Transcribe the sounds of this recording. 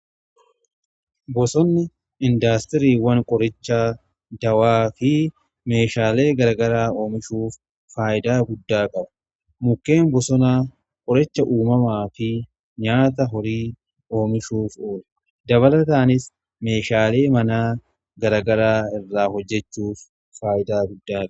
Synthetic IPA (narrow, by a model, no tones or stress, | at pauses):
bɔsɔnːɪ | ɪnd̪aːst̪ɪɾiːwɐŋkʼɔɾɪt͡ʃːaː | d̪ɐwaːfɪ | me̞ːʃaːle̞ːɡɐɾɐɡɐɾaːo̞ːmɪʃuːfː | aːʔɪd̪aːɡʊd̪ːaːkʼɐbʊ̥ | mʊkːe̞ːnbɔsɔnaː | kʼɔɾɛt͡ʃːɐʔuːmɐmaːfɪ | ɲaːt̪ɐɦɔɾiː | o̞ːmɪʃuːfoːl | d̪ɐβɐlɐt̪aːnɪs | me̞ːʃaːle̞ːmɐnaː | ɡɐɾɐɡɐɾaːɪrːaːhɔd͡ʒːɛt͡ʃːuːfː | aːʔɪd̪aːɡʊd̪ːaːkʼ